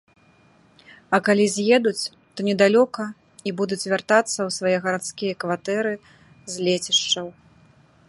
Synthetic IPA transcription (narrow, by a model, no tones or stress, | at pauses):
ɐkalʲizʲjɛd̪ut͡sʲ | t̪ɔnʲɛd̪alʲɔkɐ | ibud̪ut͡sʲvʲart̪at̪sːɐwsvajɛɣɐɾat̪skʲijɐkvat̪ɛɾɨ | zʲlʲet͡sʲiʂt͡ʂɐw